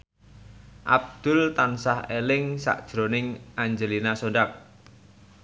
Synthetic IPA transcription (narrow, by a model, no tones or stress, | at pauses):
ʔa̰b̚d̪̥ʊ̤lt̪ansahelɪŋsa̰ʔd̥ʒ̥ɾonɪŋʔaɲd͡ʒəlinasoɳɖak̚